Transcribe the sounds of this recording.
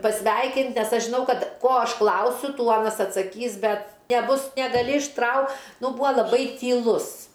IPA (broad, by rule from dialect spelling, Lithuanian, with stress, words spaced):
pɐˈsʲʋʲɛɪkʲɪnt ˈnʲɛs ˈɐʃ ʒʲɪˈnɐʊ ˈkɐt ˈkoː ˈɐʃ ˈklˠɐʊsʲʊ ˈtuː ˈɑːnɐs ɐtsɐkʲˈiːs ˈbʲɛt nʲɛˈbʊs nʲɛɡɐˈlʲɪ ɪʃˈtrɐʊ ˈnʊ ˈbʊɐ lˠɐˈbɐɪ tʲiːˈlˠʊs